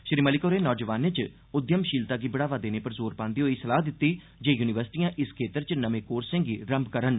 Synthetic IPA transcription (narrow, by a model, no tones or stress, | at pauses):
ʃɾiːməlɪkoːɾeːnɔːd͡ʒəʋaːnet͡ʃ | ʊd̪jəmʃiːlt̪aːɡiːbəɽaːʋaːd̪eːneːpəɾzoːɾpãːnd̪iːɦoːiːsəlaːd̪ɪt̪ːiː | d͡ʒeːjuːnɪʋəɾsɪ̥ʈijãːʔɪskʰeːt̪əɾt͡ʃnəmẽːkoːɾsɪ̃ŋɡiːɾəmbkəɾən